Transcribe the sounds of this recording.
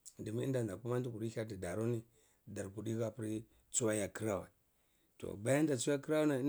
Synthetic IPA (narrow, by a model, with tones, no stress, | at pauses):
di˨mi˦i˦nda˨n˨da˨ku˦ma˦n˦du˦ku˨ɗi˦a˦t̬i˨da˨ɾo˦ni˦ | da˨ɾku˨ɗi˦ɣa˦pi˦ɾi˦ | t͡su˦wa˦ja˨ki˦ɾa˦wa̰˨ | to̰˨ba˦ja˦n˦da˨t͡su˦a˦ki˦ɾa˦u˦na˨˦n˦